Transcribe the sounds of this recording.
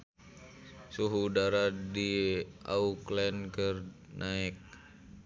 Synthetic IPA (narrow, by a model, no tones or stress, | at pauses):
suɦuːdaɾadiʔa̰uklɛnkər | nʔaɛk̚